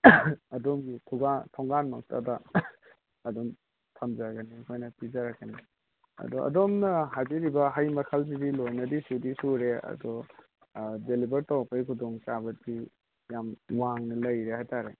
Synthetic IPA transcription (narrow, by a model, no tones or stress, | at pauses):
ɐdomɡitʰɔɡatʰɔŋɡanmakta̰dɐː | dɔm | tʰɐmzaɡanikʰojnɐpizaɾakːani | ɐ̰dɔɐ̰domnɐɦaziɾibɐɦajmɐkʰalzidilojnɐdisudisuɾeɐ̰dɔ | delibɐɾtawpʰajkʰudɔŋsabɐdi | jamwaŋnɐlɐjɾehajtaɾe